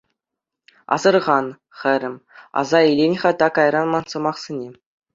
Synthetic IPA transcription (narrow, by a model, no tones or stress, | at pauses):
ɑ̰zɤ̆rʁɑn | χʲɘ̆ɾʲɘ̆mʲɑ̰zɑilʲenʲχɑt̪ɑkɑjɾɑnmɑnsɤ̆mɑχsʲenʲe